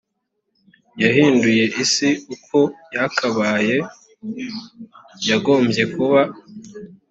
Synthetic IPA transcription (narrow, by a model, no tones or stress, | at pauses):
jahiːnduje̞ʔisiukʰo̞jakʰaβaːje̞ | jaɡo̞ːmbje̞kuβa